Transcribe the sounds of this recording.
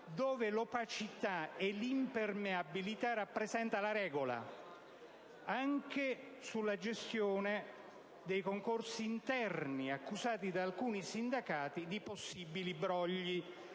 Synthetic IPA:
d̪oːvelopat͡ʃit̪aɛlimpermeabilit̪arapːɾezɛnt̪alaɾɛːɡola̰ | aŋke | sulːad͡ʒest̪joːne | d̪ejkoŋkorsiːnt̪ɛrniakːuzaːt̪id̪aːlkuːnisind̪akaːt̪id̪iposːibilibɾɔʎːi

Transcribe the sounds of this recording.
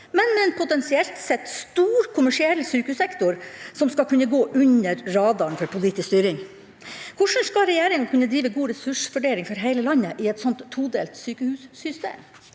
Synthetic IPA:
mɛnmɛɛnpʰʊt̪ɛnsɪɛlt̪sɛt̪ːst̪uːɾkʰʊmæʂɪɛlːsyːkəhʉsɛkt̪ʊɾsɔmskɑlkʰʉnːəɡoːʔʉnəɾɾɑːd̪ɑnfɔɾpʰʊliːt̪ɪskst̪yːɾɪŋ | kʰʊʂɳ̩skɑlɾɛjeːɾɪŋɑkʰʉnːəd̪ɾiːʋəɡuːɾɛsʉʂfʉɖeːlɪŋfɔɾɦæɪləlɑnːəʔɪɛt̪sɔnt̪ʰːuːd̪eːlt̪syːkəhʉːsːʏst̪ḛːm

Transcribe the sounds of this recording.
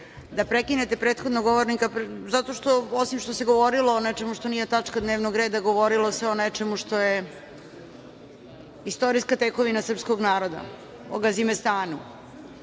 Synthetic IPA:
d̪apɾekinet̪e̞pɾe̞ːt̪xod̪noɡoʋoɾnikapzat̪o̞ʃt̪o̞osimʃt̪oseɡo̞ʋoɾilˠoːnet͡ʃe̞muʃt̪o̞niːjet̪at͡ʃkad̪neːʋnoɡɾe̞ːd̪aɡo̞ʋoɾilˠo̞seo̞nɛt͡ʃemuʂt̪o̞je | ist̪o̞ɾiskat̪eko̞ʋinasr̩pskoɡnaːɾo̞d̪a̰ | o̰ɡazimest̪aːnu

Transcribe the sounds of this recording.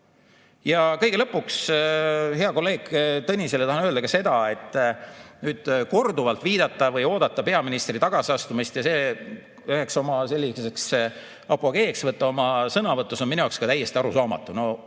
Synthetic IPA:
jɑkɤ̞jɡe̞lɤpːuks | he̞ɑko̞lːe̞ːɡ̥t̪ɤnʲise̞le̞t̪ɑhɑnøld̪ɑkɑse̞d̪̥ɑe̞t̪ːˑnyːd̪̥ko̞rd̪uvɑlt̪ˑviːd̪̥ɑt̪ːˑɑvɤjo̞ːd̪̥ɑt̪ːɑpe̞ɑminist̪rit̪ɑɡ̥ɑsiɑst̪umist̪jɑse̞ː | yhekso̞mɑse̞lʲːiseks | ɑpoɡ̥e̞ːksvɤt̪ˑːɑo̞mɑsɤnɑvɤt̪ːˑusonminujɑˑkskɑt̪æjːe̞st̪iɑɾusɑːmɑ̰t̪ːˑuno̞

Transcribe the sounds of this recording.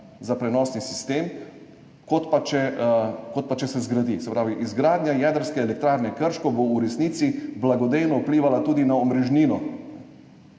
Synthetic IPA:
zapɾɛnɔːsnisist̪eːm | kɔt̪pat͡ʃɛkot̪̚pat͡ʃɛsɛzɡɾad̪isɛpɾaːʋiʔizɡɾaːd̪njajɛd̪əɾskɛːlɛk̚t̪ɾaːɾnɛkəɾʃkɔbouɾɛsnit̪siblaɡɔd̪ejnɔupliːʋalat̪uːd̪inaɔmɾɛʒniːnɔ

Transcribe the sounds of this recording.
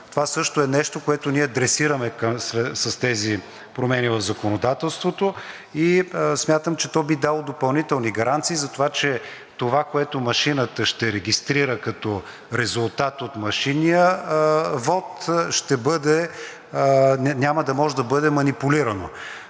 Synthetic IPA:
t̪ovasɤʃt̪oɛnɛʃt̪okoɛt̪oniɛd̪ɾɛsiɾəmɛksɛsɐst̪ɛzi | pɾomɛnivɐvzɐkonod̪at̪ɛlˠst̪vot̪o | ismʲat̪əmt͡ʃɛt̪ɔbid̪alˠod̪opɐlˠnit̪ɛlˠniɡɐɾant̪siːzɐt̪ovat͡ʃɛ | t̪ovakoɛt̪omɐʃinət̪əʃt̪ɛɾɛɡʲist̪ɾiɾəkɐt̪ɔ | ɾɛzulˠt̪at̪ot̪mɐʃinijə | vɔt̪ʃt̪ɛbɤd̪ɛ | nʲamɐd̪ɐmɔʒɛd̪ɐbɤd̪ɛmɐnipuliɾɐno̰

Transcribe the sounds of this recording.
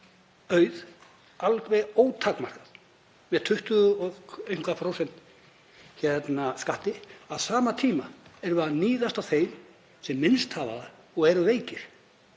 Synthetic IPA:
œːɥð | alkvejoːwt̪ʰakmar̥kað | mɛðt̪ʰʏht̪ʏðʏɔɣeɥjŋ̥kʰvafɾoːwsɛnt̪ | çɛt̪naskaht̪ɪaðsaːmat̪ʰiːmaɛɾvaðniːðast̪awθejm | sɛmːɪnst̪hava̰ða | ɔɣɛɾʏveːjcɪɾ̥

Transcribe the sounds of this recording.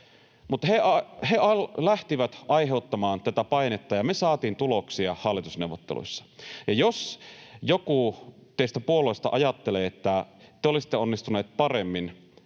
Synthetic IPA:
mut̪ːheɑheɑllæht̪iʋæt̪ʔɑiɦeut̪ːɑmɑːnt̪æt̪æpɑinet̪ːɑjɑmesɑːt̪iːnt̪uloksiɑhɑlːˑit̪usneuʋːˑot̪ːḛlṵsːɑ̥jɑjosjokut̪eist̪æpuoloist̪ɑ̰ʔɑjɑt̪ːeleːet̪ːæt̪ːeolisi̥t̪ːeonːist̪uneːt̪̚pɑremːin

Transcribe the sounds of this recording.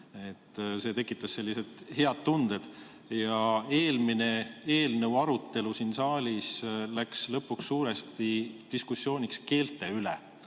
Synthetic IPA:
e̞t̪ːse̞ːt̪e̞kːˑit̪ːˑɑsse̞lːise̞d̪̥he̞ɑd̪̥̚t̪und̪̥e̞d̪̥ | jɑe̞ːlmine̞e̞ːlnewɑɾut̪ːˑe̞lusinsɑːlʲislækslɤpːˑuksːuːɾe̞st̪id̪̥iskusːjo̞ːnʲikske̞ːlt̪ːˑe̞ylḛ

